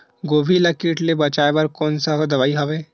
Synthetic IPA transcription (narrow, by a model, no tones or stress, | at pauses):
ɡoːbʱilɐkiːʈlebɐt͡ʃaːebɐɾkɔːnsaɦd̪ɐʋaːiɦɐʋeː